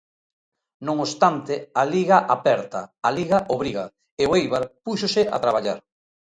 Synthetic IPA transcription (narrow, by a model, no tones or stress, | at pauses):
nõŋost̪ant̪ɪaliɣaʔapɛɾt̪ɐaliɣaʔoβ̞ɾiɣa | eoejβaɾpusosɪa̰t̪ɾaβ̞aʎaɾ